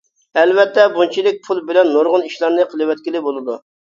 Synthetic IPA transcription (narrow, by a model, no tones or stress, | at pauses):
ɛlvɛt̪ːɛbunt͡ʃʰilɪk̚ʲpʰulˠbɪlɛnːoɾʁʊniʃlˠɑɾnɨqʰəlˠɨwɛt̪̚kʲilɪbolˠɨd̪u